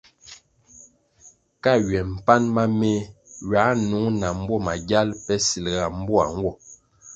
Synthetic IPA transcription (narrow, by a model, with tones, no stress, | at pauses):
ka˦˨ɥɛ˨m̩˨pa˦nma˦me˦ɥa˨˦nu˨˦ŋna˨m̩˦bwɔ˦˨ma˨ɡja˦lpɛ˦si˨lɣa˨m̩˦bɔ˦a˨ŋ˦ɡwɔ˦˨